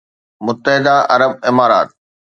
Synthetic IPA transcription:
mʊt̪ːəɦɪd̪aʔɐɾəb̚ɪmaːɾa̰ːt̪̚

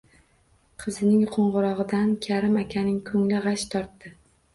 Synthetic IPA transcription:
qʰɨzɪnɪŋqʰoɴʁʊɾɒʁɨd̪ankʲʰaɾɪmakʲʰanɪŋkʰɵŋlɪʁɑʃt̪ʰɒɾt̪ːɪ

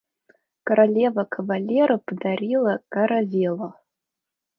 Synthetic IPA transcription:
kɐɾalʲevɐkʰɐvalʲeɾɨpʰʼdaɾʲilˠɐkʼaɾavʲelˠa

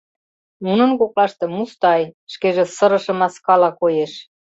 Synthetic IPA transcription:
nunə̆nkoklɑʃt̪ĕmust̪ɑjʃkeʒĕsəɾəʃə̆mɑskɑlɑkojeʃ

